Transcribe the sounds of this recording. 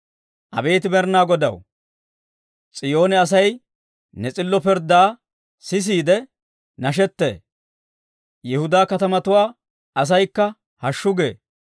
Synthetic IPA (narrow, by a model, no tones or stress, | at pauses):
ʔɐ̰be̞ːt̪ɪbɛɾnaːɡɔd̪ɐ̰w | t͡sʼɪjo̞ːnɛɐs̬ɐj | nɛt͡sʼɪlːɔpɪɾd̪aː | sɪs̬iːd̪ɛ | nɐʃ̬ɛt̪ːḛː | jɛhʊd̪aːkɐt̪ɐmɐt̪ʊwaː | ɐs̬ɐjkːɐ | hɐʃːʊɡḛː